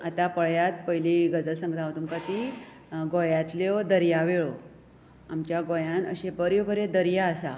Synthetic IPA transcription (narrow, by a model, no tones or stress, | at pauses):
at̪apəɭjat̪pəiliɡəd͡zəlsə̃ŋɡt̪aʋt̪umkat̪i | ɡojãt̪lɔd̪əɾjaʋeɭo | amt͡ɕjaɡojãnə̰ɕẽbəɾjobʱəɾed̪əɾjaəsa̰